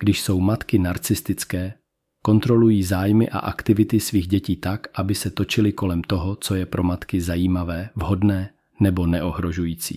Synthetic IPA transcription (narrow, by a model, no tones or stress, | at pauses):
ɡ̥dɪʃso̞wmat̪kɪnaɾt͡sɪst̪ɪt͡skɛː | ko̞nt̪ɾo̞lujiːzaːjmɪʔa̰ʔakt̪ɪvɪt̪ɪsviːɣɟɛciːt̪akʔabɪsɛt̪o̞t͡ʃɪlɪko̞lɛmt̪o̞ɦot͡so̞jɛpɾʔo̞mat̪kɪzajiːmavɛːvɦo̞dnɛː | nɛbo̞nɛʔo̞ɦɾo̞ʒujiːt͡sḭː